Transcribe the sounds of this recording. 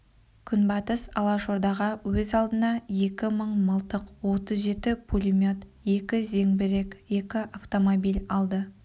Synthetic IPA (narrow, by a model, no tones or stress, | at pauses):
kʲʰʏnbɑt̪əsɑ̰lˠɑʃo̞ɾd̪ɑʁɑwɵzɑlˠd̪ənɑje̞kʲɪməɴməlˠt̪əqwo̞t̪əzʒe̞t̪ɪpʰulʲimʲjo̞t̪je̞kʲɪze̞ŋbɪɾe̞kʲje̞kʲɪʔaft̪o̞mobijlʲɑlˠd̪ə